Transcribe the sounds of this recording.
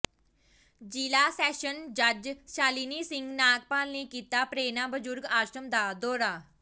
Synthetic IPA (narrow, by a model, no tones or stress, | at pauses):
d͡ʒiːlaːsɛːʃənd͡ʒəd͡ʒʃaːliːniːsɪ̃ŋɡnaːk̚paːlneːkiːt̪aːpɾeːnãːbəd͡ʒʊɾɡaːʃɾəmd̪aːd̪ɔːɾaː